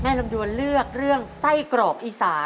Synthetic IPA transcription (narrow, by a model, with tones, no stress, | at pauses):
mɛː˥˩lo˧mdu˧ənlɯ˥˩ək̚ɾɯ˥˩əŋsa˥˩jkɾɔː˨˩k̚ʔiː˧˥saː˩˦